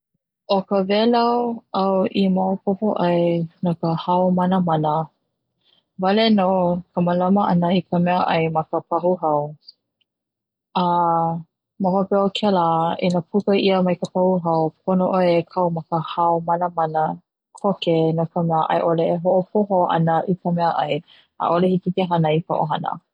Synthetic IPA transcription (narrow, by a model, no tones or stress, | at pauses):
ʔokəvɛlawʔawʔimaopopoʔajnakəhaomɐnəmɐnə | valenokʰəməlaməʔɐ̰nəikʰəmɛəʔɐjmɐkəpʰɐhuɦɐw | a | mahopɛokʰɛlainapʰukəʔiəmɐjkəpahuɦɐwp̚ʰonoʔoekʰɐwmɐkəhaomɐnəmanə | kʰokenokəmɛəʔɐ̰jʔoleːɦoʔopʰoɦoʔɐ̰nəʔikəmɛəʔɐj | a̰ʔolehititeɦɐnəika̰ʔo̰ɦɐnə̰